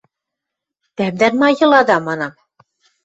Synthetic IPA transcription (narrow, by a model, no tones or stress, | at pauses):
t̪æmd̪ænmɑjɤ̆lˠɑd̪ɑmɑnɑ